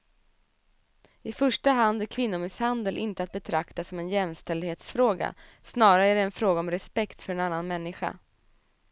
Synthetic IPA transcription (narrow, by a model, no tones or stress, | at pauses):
ɪfœʂʈaɦand̪æɾkʰvɪnːʊmɪshand̪əlʔɪnt̪əat̪̚bɛt̪ʰɾakt̪asɔmɛnjɛmst̪ɛld̪heːt̪sfɾoːɡa̰ | snɑːɾaæɖɛːnfɾoːɡaɔmɾɛspɛkt̪fœɾɛnanːanmɛnːɪɧa̰